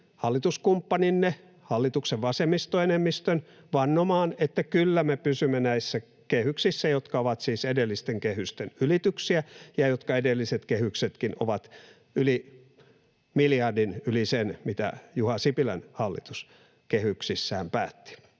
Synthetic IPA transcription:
hɑlːit̪uskumpːɑninːe | hɑlːit̪ukseʋʋɑsemist̪oenemːist̪øn | ʋɑnːomɑːnet̪ːækylːæmepysymːenæisːæ | kehyksisːæjot̪kɑoʋɑt̪siːsedelːist̪eŋkehyst̪enylit̪yksiæjɑjot̪kɑedelːiset̪kehykset̪kino̰ʋɑt̪ | yli | miljɑrdinylisenmit̪æ̰juhɑsipilænhɑlːḭt̪us | kehyksisːæːmpæ̰ːt̪ːi̥

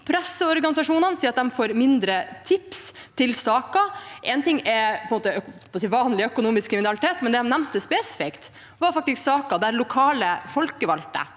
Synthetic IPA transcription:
pʰɾæsːəɔɾɡɑnɪsɑʂuːnənsiːɾt̪d̪ɛmfoːɾmɪnd̪ɾət̪ʰɪpst̪ʰɪlsɑːkɑʔɛnt̪ɪŋːɛpʰɔɛnmoːt̪əɔpɔsiːʋɑːnlɪœkʊnuːmɪskʰɾɪmɪnɑlɪt̪ʰeːt̪mɛnd̪ɛhɑnæmnt̪əspɛsɪ̥fɪkt̪ | ʋɑɾfɑk̚t̪ɪsksɑːkɑd̪ɛæɾlʊkʰɑːləfɔlkəʋɑlt̪ə̰

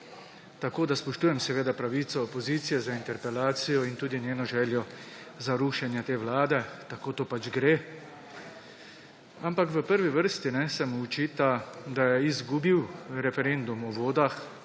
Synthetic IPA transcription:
t̪akoːd̪aspɔʃt̪uːjɛmsɛʋeːd̪apɾaʋiːt̪sɔːpɔziːt̪sijɛzaint̪ɛɾpɛlaːt̪sijɔint̪uːd̪inʲjeːnɔʒɛːljɔ | zaɾuːʃɛnjɛt̪eːwlaːd̪ɛt̪akoːt̪oːpad͡ʒɡɾeː | ampakʋəpəɾʋiʋəɾst̪inɛsɛmut͡ʃiːt̪ad̪ajɛizɡubiwɾɛfɛɾend̪umɔʋoːd̪ax

